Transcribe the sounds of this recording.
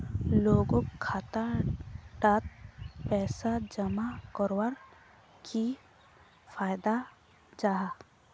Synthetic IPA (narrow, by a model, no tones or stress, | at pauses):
loːɡõkʰːaːt̪a | ɖat̪̚pɛːsad͡ʒəmakɔɾwaɾ | kʰi | fʰaːjd̪a | d͡ʒaɦa